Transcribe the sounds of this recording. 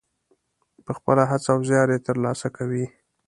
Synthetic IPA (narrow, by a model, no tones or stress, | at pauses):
pəxpəlaɦat͡saːwzjɑɾet̪əɾlɑsakʰawi